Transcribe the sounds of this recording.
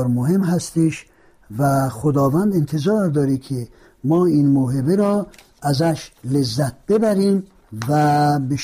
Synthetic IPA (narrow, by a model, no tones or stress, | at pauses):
ɾmoɦemɦast̪iʃ | væχod̪ɔːvænd̪int̪ʰezɔːɾd̪ɔːɾikʰi | mɔːinmoɦebeɾɔ | æzæʃlezːæt̪̚b̥ebæɾim | væbeʃ